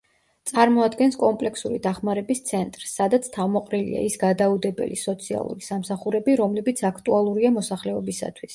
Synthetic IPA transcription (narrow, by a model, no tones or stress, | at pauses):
t̪sʼaɾmɔad̪ɡɛnskʼɔmpʼlɛkʰsuɾid̪aχmaɾɛbist̪sʰɛnt̪ʼɾsːad̪at̪sʰt̪ʰavmɔqʼɾilḭa̰isɡad̪aud̪ɛbɛ̰lisɔt̪sʰia̰lˠṵɾisamsaχuɾɛbiɾɔmlɛbit̪sʰakʰt̪ʼualˠuɾiamɔsaχlɛɔbisa̰t̪ʰwis